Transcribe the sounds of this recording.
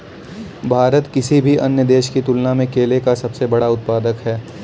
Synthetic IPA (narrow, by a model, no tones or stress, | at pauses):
bʱaːɾət̪kɪsibʱiʔɐnjəd̪eːʃkit̪ʊlnamẽkeːlekasɐbsebɐɽaʊt̪̚paːd̪əkɦɛː